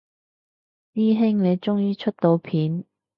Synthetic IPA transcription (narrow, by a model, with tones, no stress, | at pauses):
t̪iː˥ɦɪ˥ŋne˨˧jt͡ʃʊ˥ŋjiː˥t͡ʃʰɵ˥t̚t̪o˧wpʰiː˨˥n